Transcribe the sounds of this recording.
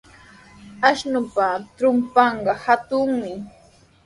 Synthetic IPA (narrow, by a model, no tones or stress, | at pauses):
aʃnʊpat̪ɾʊmpɑɴɢɑhat̪ʊŋmɪ